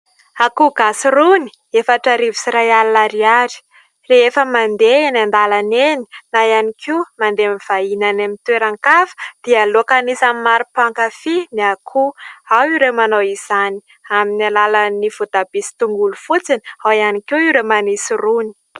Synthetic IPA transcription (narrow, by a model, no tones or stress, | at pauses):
akuɡasiruni̥ | efaʈ͡ʂəɾivisiɾajalinaɾiaɾi̥ | reefəmand̪eenand̪alaneni̥najanikimand̪emiv̥ainanamit̪weɾaŋkafə̥d̪̥ialokanisamimaɾupaŋkafiniakʰuawiɾemanowiz̥ani̥ | aminalalaniv̥ut̪ab̥isi̥t̪uŋɡulufut͡sinawjanikiiɾemanisiruni̥